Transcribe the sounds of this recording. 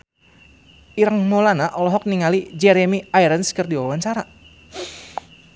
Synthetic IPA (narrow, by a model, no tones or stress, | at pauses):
iɾaŋmolanaʔɔlɔɦɔk̚niŋalid͡ʒɛɾɛmiajɾənskərdiwawaɲt͡ʃaɾa